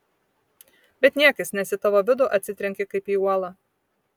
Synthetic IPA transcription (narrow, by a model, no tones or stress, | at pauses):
bʲɛt̪nʲiɛkɐsnʲɛsʲɪt̪ɐʋoːʋʲɪd̪ʊːʔɐt̪ʲsʲɪt̪ʲɾʲɛŋʲkʲɪkɐɪpiːuɔlˠɑ